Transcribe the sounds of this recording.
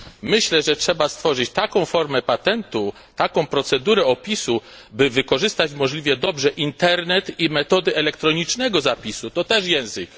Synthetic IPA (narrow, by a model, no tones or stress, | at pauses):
mɘɕlɛʐɛtʂɛbast̪fɔʐɘt͡ɕt̪akɔ̃w̃fɔɾmɛpat̪ɛnt̪u | t̪akɔ̃w̃pɾɔt̪sɛd̪uɾɛɔpʲisu | bɘvɘkɔʐɘst̪at͡ɕmɔʐlʲivʲjɛd̪ɔbʐɛʔint̪ɛɾnɛt̪imɛt̪ɔd̪ɘʔɛlɛkt̪ɾɔɲit͡ʂnɛɡɔzapʲisut̪ɔt̪ɛʂjɛ̃w̃zɘk